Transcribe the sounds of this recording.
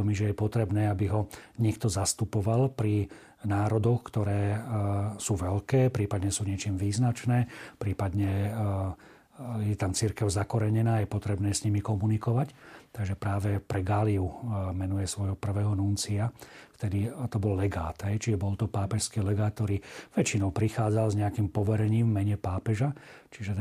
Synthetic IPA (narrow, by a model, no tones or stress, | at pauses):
miʒɛjɛpɔt̪ɾɛbnɛːabiɦɔɲɛkt̪ɔzast̪upɔʋalpɾi | naːɾɔd̪ɔxkt̪ɔɾɛː | suːʋɛlkɛːpɾiːpad̪ɲɛsuːɲɪɛt͡ʃiːmʋiːznat͡ʃnɛːpɾiːpad̪ɲɛ | jɛt̪amt͡siɾkɛʊzakɔɾɛɲɛnaːjɛpɔt̪ɾɛbnɛːsɲimikɔmunikɔʋact̪aɡʒɛpɾaːʋɛpɾɛɡaːliumɛnujɛsʋɔjɦɔpr̩ʋɛːɦɔnunt͡siaft̪ɛd̪it̪ɔbɔlːɛɡa̰ːt̪ɦɛjt͡ʃiʒɛbɔlt̪ɔpaːpɛʃskiːlɛɡaːt̪̚t̪ːɔɾiːʋɛt͡ʃinɔʊpɾixaːd͡zalzɲɛakiːmpɔʋɛɾɛɲiːmvmɛɲɛpaːpɛʒa | t͡ʃiʒɛ